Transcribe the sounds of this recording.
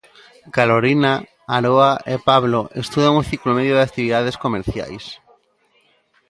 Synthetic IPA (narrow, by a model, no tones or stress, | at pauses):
kaloɾina | aɾoaepaβloʔest̪uðaũnθiklomeðjoðeak̚t̪iβiðaðeskomeɾθja̰js